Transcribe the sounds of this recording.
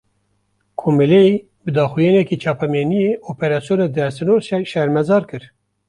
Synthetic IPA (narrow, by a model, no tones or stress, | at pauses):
kʰomilɛi | bɨd̪ɑːxujɑːnɛkiːt͡ʃʰɑːpɛmeːnijeːʔopeɾɑːsijoːnɑd̪ɛɾsɨnoːɾʃɛɾmɛzɑːɾkɨɾ